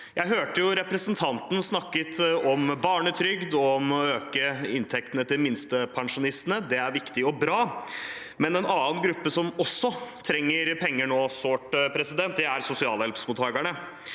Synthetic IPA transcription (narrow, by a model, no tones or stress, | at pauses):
jʔæɪɦøːʈəjʊɾɛpɾɛsənt̪ʰɑnt̪n̩snɑkːət̪ɔmbɑːɳət̪ʰɾʏɡd̪ɔmøːkəɪnt̪ʰɛk̚t̪ənət̪ɪmɪnst̪əpʰɑŋʂʊnɪst̪nəd̪ɛæɾʋɪkt̪ɪɔbɾɑː | mɛnɛnɑːənɡɾʉpːəsɔmɔsːɔt̪ʰɾɛŋːəɾpʰɛŋːəɳoːsoːʈpʰɾɛsɪd̪ɛnt̪̚d̪ɛæɾsʊsɪɑ̰ːləhɛlpsmʊt̪ʰːɑːɡəɳə